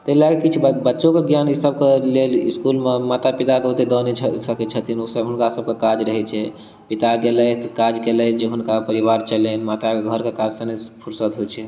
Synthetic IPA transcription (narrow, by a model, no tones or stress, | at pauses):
t̪əɦilaɡekit͡ʃʰbətːʃõkeɡjanisəb̚keleliskulmemat̪apit̪at̪ot̪ed̪ɔnet͡ʃʰsəket͡ʃʰət̪ʰinosəɦʊnkasəb̚kekad͡ʒɾəɦɛt͡ʃʰɛ | pit̪aɡelət̪kad͡ʒɡelət͡ʃʰd͡ʒeɦunkapəɾiβaɾt͡ʃəlɛnmat̪aeɡʱəɾkekad͡ʒsənepʰuɾsət̪ɦot͡ʃʰɛ